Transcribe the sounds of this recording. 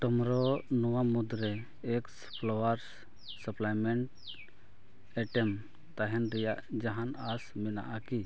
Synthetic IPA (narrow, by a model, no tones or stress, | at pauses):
ʈɔmɾɔnɔwamud̪ɾɛː | kspʰlɔwaɾ | səplajmɛɳʈ | ɛʈɛm | t̪aɦɛnɾɛjaʔd͡ʒaɦanasmɛna̰ʔaki